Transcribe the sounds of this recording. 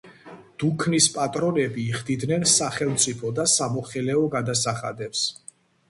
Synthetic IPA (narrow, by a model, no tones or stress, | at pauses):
d̪̥ukʰnispʼat̪ʼɾɔnɛbiːχd̪id̪nɛnsaχɛlˠmt̪sʼipʰɔd̪asamɔχɛlɛɔɡad̪asaχa̰d̪ɛps